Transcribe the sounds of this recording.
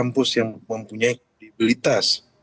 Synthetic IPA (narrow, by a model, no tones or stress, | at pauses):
ampʊsjaŋməmpuɲaik̚ɾedibilit̪as